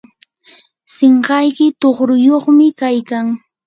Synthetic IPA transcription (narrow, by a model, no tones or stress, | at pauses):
seɴɢɑjkɪt̪oχɾʊjoχmɪkajkaŋ